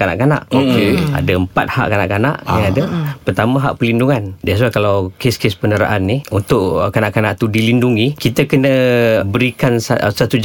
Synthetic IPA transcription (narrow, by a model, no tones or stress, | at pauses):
kana̰ʔkana̰ʔokea̰daəmpat̪̚ha̰ʔkana̰ʔkana̰ʔjaŋadapərt̪amãɦaʔpəlinduŋandajs̬uakalawkeskespənəɾa̰ʔanːiunt̪ʊʔkanaʔkana̰ʔt̪udilinduŋikit̪əkənəbəɾikansasat̪ud͡ʒ